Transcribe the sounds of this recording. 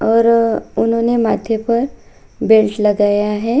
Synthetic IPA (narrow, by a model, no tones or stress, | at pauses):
ɔːɾʊnɦõːnemaːd̪ʱjepɐɾbelʈlɐɡaːjaɦɛː